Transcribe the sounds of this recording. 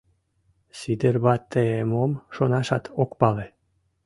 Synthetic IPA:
sid̪erβɑt̪ːeemomʃonɑʃɑt̪ʰokpɑle

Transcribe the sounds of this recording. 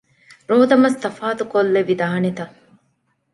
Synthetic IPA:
ɾoːd̪ɐmɐst̪ɐfaːt̪ukolːeʋid̪ɐɦɐnet̪ɐ

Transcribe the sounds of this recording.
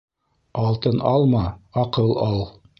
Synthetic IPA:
ɑlˠt̪ɤnɑlˠmɑɑqɤlˠɑlˠ

